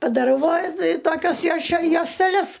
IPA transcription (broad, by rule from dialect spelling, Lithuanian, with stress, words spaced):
pɐdɐˈrɐʊ ʋɐ tʲɪ ˈtoːkʲɛs joːʃʲɛ joːsʲtʲɛˈlʲɛs